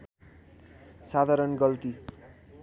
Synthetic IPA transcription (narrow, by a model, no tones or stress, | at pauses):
sad̪ʱaɾʌnɡʌlt̪i